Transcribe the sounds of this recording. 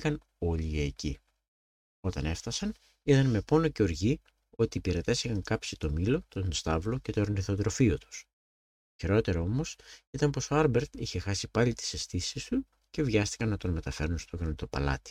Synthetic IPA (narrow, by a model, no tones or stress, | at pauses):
kɐn | o̞ʎieːci | o̞t̪ɐne̞fθɐsɐn | it̪ɐnme̞po̞no̞ce̞o̞ɾʝi | o̞t̪iːpiɾɐt̪e̞sixɐŋkɐpsit̪o̞milo̞t̪onst̪ɐvlo̞ce̞t̪oeɾniθo̞t̪ɾo̞fiot̪u̥s | çeɾo̞t̪e̞ɾɐo̞mo̞sit̪ɐnpo̞so̞ɐɾbe̞ɾt̪içe̞xɐsipɐlit̪i̥se̞st̪isist̪u | ce̞vʝɐst̪i̥kɐnnɐt̪o̞nme̞t̪ɐfe̞ɾunst̪oɣɐnɐt̪o̞pɐ̰lɐ̰t̪i̥